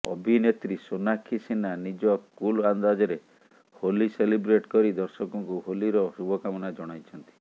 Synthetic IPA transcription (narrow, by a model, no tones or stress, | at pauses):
ɔ̰bʱinet̪ɾisonakʰisinanid͡ʒɔkuland̪ad͡ʒɔɾe | holiselibɾeʈkɔɾid̪ɔɾsɔkɔŋkuɦoliɾɔʃubɔkamɔnad͡ʒɔɽ̃ajt͡ʃʰɔnt̪i̥